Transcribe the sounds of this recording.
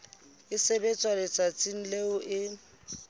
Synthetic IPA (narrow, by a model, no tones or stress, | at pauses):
ɪsebet͡sʼwalɪt͡sʼat͡sʼin̩leʊʔɪ